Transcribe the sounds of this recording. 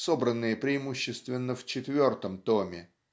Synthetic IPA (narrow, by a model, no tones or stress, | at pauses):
sobɾənːɨjəpɾʲɪɪmuɕːɪst̪vʲɪnːəft͡ɕɪt̪vʲo̞rt̪əmt̪omʲɪ